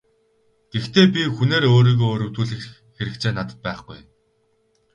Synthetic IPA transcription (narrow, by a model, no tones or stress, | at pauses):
ɡ̥ext̪ʰeːp̬ʲixuneːɾoːɾiːɣoːɾuwt̪uːɮɘ̆x | xeɾɘ̆kt͡ɕʰeːnat̪ə̥̆t̪̚pæːχɡṵjn